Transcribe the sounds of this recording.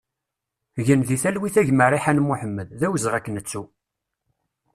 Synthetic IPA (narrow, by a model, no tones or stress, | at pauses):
ʝənðiθælwiθæʝmərˤiħanmʊħəmːəððæwəzʁækːənət͡sːu